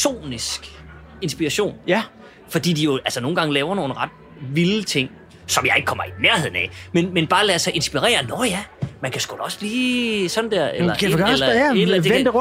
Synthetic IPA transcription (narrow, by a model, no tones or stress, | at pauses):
sʰo̝̰ːnisɡ̥ | e̝nsb̥iɑɕo̝̰ːn | fɒ̽d̥ḭːd̥ijo̝ælsənoːn̩ɡ̥ɑ̈ŋlɛːʊɐno̝ːn̩ʁɑ̈d̥ | ʋilət͡sʰe̝ŋ̰ | sɒ̽mjɑ̈ɪe̝ɡ̥əkʰɒ̽mɐinæɐhe̝ð̰ˠn̩ɛmenmenb̥ɑ̈ːlæsɑ̈ɪʔe̝nsb̥iʁɛ̰ːɐnɒjæmænkʰæsɡ̥olɒ̽sb̥liːsɒ̽nd̥æɐ̰elɐlɐe̥eed̥ə